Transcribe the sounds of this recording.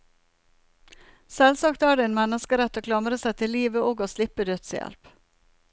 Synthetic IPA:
sɛlsɑːkt̪æːɖeeːnmɛnəskəɾɛt̪ːoːkʰlɑməɾəsæɪt̪ʰɪlːiːʋəʔoːɡoːslɪpəd̪øt̪sjɛ̰lp

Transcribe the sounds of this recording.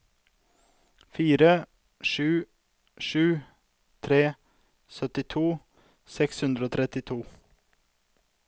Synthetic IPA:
fiːɾə | ʃʉː | ʃʉː | t̪ʰɾeː | sœt̪ɪt̪ʰuː | sɛkshʉnd̪ɾəoːt̪ʰɾɛt̪ɪt̪ʰuː

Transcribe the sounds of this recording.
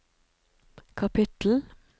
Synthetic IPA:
kʰɑpʰɪt̪l̩

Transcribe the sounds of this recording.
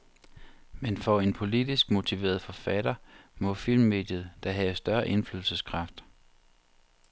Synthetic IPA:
menfɒe̝npʰo̝lidisɡ̥mo̝t͡sʰiʋe̝̰ːɐð̞ˠfɒ̽fæɾɐmɔ̽fil̰mːe̝̰ːd̥jəð̞̩ˠd̥ɑ̈ɦɛsd̥ɶɐʔe̝nflyðl̩səskʰʁɑ̈fd̥

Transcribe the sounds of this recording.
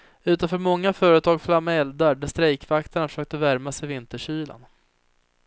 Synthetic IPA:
ʉ̟ːt̪anfœːɾmɔŋːafœːɾət̪ʰɑːɡflamːɛld̪aɖæst̪ɾɛjkvakt̪ʰaɳafœ̥ʂøːk̚t̪əvæɾmasɛjvɪnt̪əʂyːla̰n

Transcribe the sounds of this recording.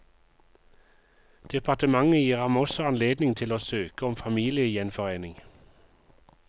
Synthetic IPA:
d̪̥ɛpʰɑt̪əmɑŋəjiːʁhɑmɔsɔɑnleːd̪nɪŋt̪ʰɪloːsøːkəɔmfɑmiːlɪəjɛnfɔʁeːnɪŋ

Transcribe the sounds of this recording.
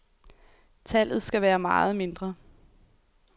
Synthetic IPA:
t͡sʰæl̰ð̞̩ˠsɡ̥æʋæːɐmɑ̈ːð̞̩ˠme̝nd̥ʁɐ

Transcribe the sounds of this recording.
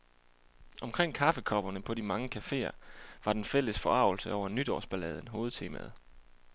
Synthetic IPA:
ʔɒ̽mkʰʁeŋ̰kʰɑ̈fəkʰɒ̽b̥ɐnəpʰɒ̽d̥imɑ̈ŋəkʰæfe̝̰ːɐʋɑ̈d̥enfel̰əsfɒ̽ɑ̈ʊl̩səʔɒʊ̰ɐnyd̥ɒ̰ːsb̥ælɛːð̞ˠən̩ɦo̝ːð̞̩ˠt͡sʰe̝ːmæ̰ð̞̩ˠ

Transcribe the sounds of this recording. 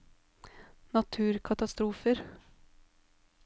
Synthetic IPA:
nɑt̪ʰʉːɾkʰɑt̪ɑst̪ɾuːfəɾ

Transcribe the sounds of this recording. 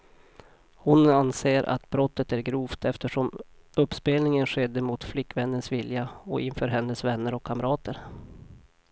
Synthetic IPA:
hʊnanseːɾʔa̰t̪bɾɔt̪ːət̪æɾɡɾuːft̪ʰɛft̪əʂɔm | ɵpːspeːlnɪŋənɧɛd̪ːəmʊt̪flɪkːvɛnːənsvɪljaɔʔɪnfœːɾɦɛnːəsvɛnːəɾɔkʰːamɾɑːt̪əɾ

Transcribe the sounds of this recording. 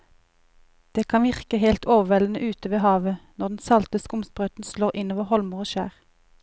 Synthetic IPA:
d̪̥eːkʰɑnʋɪʁkəheːlt̪ʰoːʋəʋɛlən̩əʔʉːt̪əʋeːhɑːʋənɔʁd̪n̩sɑlt̪əskʊmspʁœt̪n̩sloːʁɪnoːʋəʁhɔlmʊʁoːʃæ̰ːʁ

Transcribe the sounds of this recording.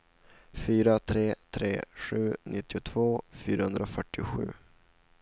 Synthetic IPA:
fyːɾat̪ʰɾeːt̪ʰɾḛːɧʉ̟ːnʔɪt̪ːɪʊt̪ʰvoːfyːɾahɵnd̪ɾaofœʈːɪʊɧʉ̟̰ː

